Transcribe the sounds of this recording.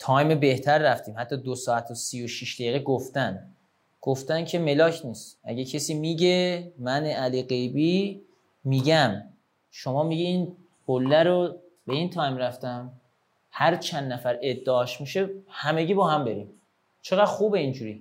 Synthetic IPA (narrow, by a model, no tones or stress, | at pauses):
t̪ʰɒːjmebe̞ht̪ʰæɾːæft̪iːmhæt̪ʰːɒːd̪osɒːæt̪ʰosiːjoʃiʃd̪æiːɣeɡoft̪æn | ɡ̥oft̪æncʰeme̞lɒːcʰniːst̪æ̰ɟecʰesiːmiɟemæneʔæliːɢe̞jbiː | miːɟæm | ʃomɒːmiɟiiːn | kʰolːæɾo | b̥e̞iːnt̪ʰɒːjmɾæft̪æm | hæɾt͡ʃʰænd̪ːæfæɾe̞d̪ːeɒːʃmiʃe̞hæmeɟiːbɒːhæmbe̞ɾiːm | t͡ʃʰe̞ɣæd̪̥xuːbeind͡ʒuːɾiː